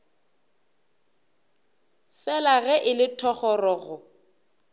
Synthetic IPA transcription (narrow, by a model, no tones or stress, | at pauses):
fɛlaɣɛʔɪlɪtʰɔχɔrɔːɣʊ